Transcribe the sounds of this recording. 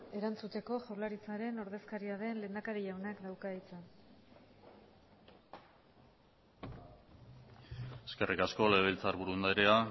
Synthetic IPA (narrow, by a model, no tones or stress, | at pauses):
e̞ɾant͡sut̪e̞ko̞ʝawlaɾit͡saɾe̞no̞ɾðe̞skaɾiaðe̞nle̞ːnd̪akaɾiʝawnakd̪awkait͡san | eske̞rikasko̞leβ̞elt͡saɾβuɾuend̪ajɾea